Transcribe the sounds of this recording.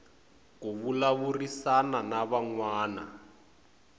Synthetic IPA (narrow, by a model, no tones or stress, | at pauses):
kuβulaβurisananaβaŋwaːna̰